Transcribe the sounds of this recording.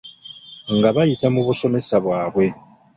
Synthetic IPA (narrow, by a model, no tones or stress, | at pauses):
ŋɡaβajitamuβuso̞me̞saβwaːβwe̞